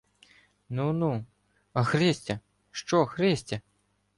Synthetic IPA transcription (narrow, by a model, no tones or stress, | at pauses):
nunu | ɐxɾɛsʲtʲɐ | ʃt͡ʃɔxɾesʲtʲɐ